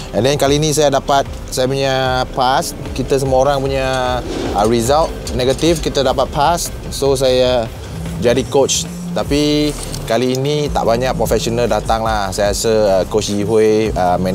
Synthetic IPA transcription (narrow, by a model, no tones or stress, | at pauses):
ɛ̃ndɛnkaliːnĩs̬ajadapat̪̚ | sajapuɲapast | kit̪as̬əmuoɾaŋpuɲa | əɹizalt̪̚nɛɡat̪ifkit̪adapat̪̚pas | sos̬aja | d͡ʒadikot͡ʃ | t̪api | kaliːnĩt̪a̰ʔbaɲãʔpɾɔfɛksonaldat̪aŋlahsajaasəəkot͡ʃiɦeəmɛ̃n